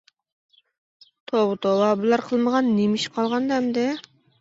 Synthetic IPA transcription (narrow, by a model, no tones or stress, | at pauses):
t̪ʰobɨt̪owˠɑbɨlˠɑɾqʰəlˠməʁɑnːemɪʃqʰɑlˠʁɑnd̪ɛmd̪ɪ